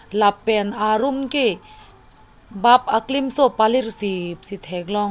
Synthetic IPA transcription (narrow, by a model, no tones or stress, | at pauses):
lapːɛnaɾumke | bapaklimsopaliɾsipsit̪ʰɛɡlɔŋ